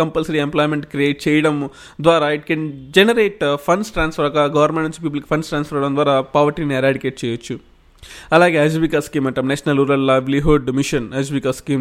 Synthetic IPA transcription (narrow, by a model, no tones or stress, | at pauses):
kɐmpɐlsɐɾiemplɔːjmeɳʈkɾieːʈ̚t͡ʃɛːjɐɽɐm | d̪ʋaːɾaːiʈ̚kend͡ʒenɐɾeːʈpʰɐnsʈɾãːnspʰɐɾɔkɐɡɐʋɐɾmẽɳt͡ʃipiːpɐlku̥pʰɐnsʈɾaːnsfɐɾɐɽɐnd̪ʋaːɾaːpaːʋɐɾʈiːniɐɾaːɖikeːʈ̚t͡ʃɛːjot͡ʃːu | ɐlaːɡeːɦɐd͡ʒʋikaskiːmɐʈɐmnet͡ʃɐnɐlɾuːɾɐlːaːjʋliɦuɖmiʃɐnɐd͡ʒʋikaskiːm